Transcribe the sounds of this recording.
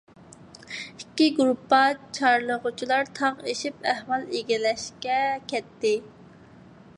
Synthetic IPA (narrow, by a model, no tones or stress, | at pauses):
ikʲːiɡɾupːɑt͡ʃʰɑɾlˠəʁut͡ʃʰilˠɑɾt̪ʰɑʁeʃip̚ɛhmɑlˠeɡʲilɛʃkʲɛkʲʰɛt̪ːɪ